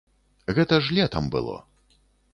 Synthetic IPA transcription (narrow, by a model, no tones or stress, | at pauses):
ɣɛt̪ɐʐlʲɛt̪ɐmbɨ̰lˠɔ̰